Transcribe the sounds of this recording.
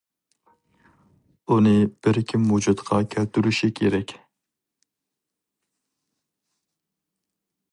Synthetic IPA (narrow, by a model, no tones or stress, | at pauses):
unɨb̥ɪɾkʲʰimːud͡ʒut̪qʰɑkʲʰælt̪yɾyʃikʲʰeɾɛkʲ